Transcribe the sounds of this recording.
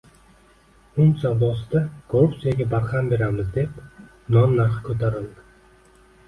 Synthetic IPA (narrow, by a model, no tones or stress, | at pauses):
ʊmsawlˠɒsɪd̪akʰoɾupt̪sijaɡʲabaɾχambe̞ɾamɪzd̪e̞p | nɒnːaɾχɪkʰɵt̪ʰaɾɪld̪ɪ